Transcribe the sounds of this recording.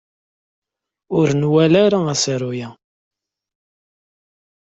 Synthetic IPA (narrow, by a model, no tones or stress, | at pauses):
ʊɾnwælaɾaæsɾujæ